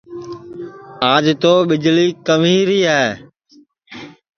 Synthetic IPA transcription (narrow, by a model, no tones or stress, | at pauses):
aːd͡ʒt̪oːɓɪd͡ʒliːkəm̤iːɾiːɦaː